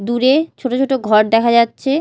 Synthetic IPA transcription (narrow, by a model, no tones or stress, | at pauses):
d̪uɾet͡ɕʰoʈot͡ɕʰoʈoɡʱɔɾd̪ɛkʰad͡ʑatːɕʰe